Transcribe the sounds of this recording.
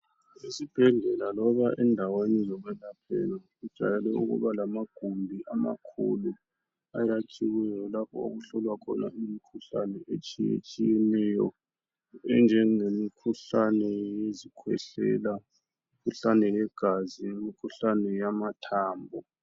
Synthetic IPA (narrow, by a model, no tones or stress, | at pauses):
esib̥ʱɛɮɛlalɔβaʔɛndʱawenɛzɔɣwɛnapʰḛni | ud̥ʒ̥ʱa̰lɛlɛṵɣṵβalamaɡ̥ʱumbʱiʔama̰kʰṵlu | ajat͡ʃʼiwɛjɔlapʰɔ̰o̰ɣuɬɔlwakʰɔ̰na̰ʔimikʰuɬa̰nɛʔet͡ʃʼijḛt͡ʃʼijɛnɛjɔ̰ | ɛnd͡ʒʱɛŋemikʰuɬanɛjezikʰwɛ̰ɬɛ̰la | mmikʰuɬanɛjɛɡ̥ʱaziŋemikʰuɬanɛjamatʰaːmbʱɔ